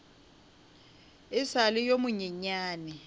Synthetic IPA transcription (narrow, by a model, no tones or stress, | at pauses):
ɪsalɪjomʊɲɛɲaːnɛ